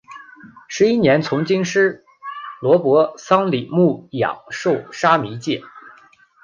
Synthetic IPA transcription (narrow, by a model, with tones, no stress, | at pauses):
ʂɻ̩˧˥i˥njɛ˧˥nt͡sʰʊ˧˥ŋt͡ɕi˥ŋʂɻ̩˥ | lwɔ˧˥pwɔ˧˥sɑ˥ŋli˨˩mu˥˩jɑ̰˨˩ŋʂo˥˩ʊʂa˥mi˧˥t͡ɕjɛ˥˩